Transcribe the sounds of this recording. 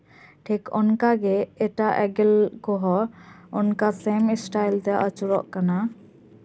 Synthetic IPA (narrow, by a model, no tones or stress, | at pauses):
ʈʰikɔnkaɡɛɛʈaʔɛɡɛlkɔɦɔɔnkasemisʈajlt̪ɛʔət͡ʃuɾɔ̰ʔkana